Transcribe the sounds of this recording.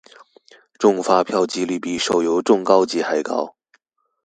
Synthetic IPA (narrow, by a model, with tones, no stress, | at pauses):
ʈ͡ʂʊ˥˧ŋfa˥pʰjɑ˥˩ʊt͡ɕi˥li˥˩pi˥˩ʂo˨˩ʊjo˧˥ʊʈ͡ʂʊ˥˩ŋkɑ˥ʊt͡ɕi˥xa˨˩ɪkɑ̰˥ʊ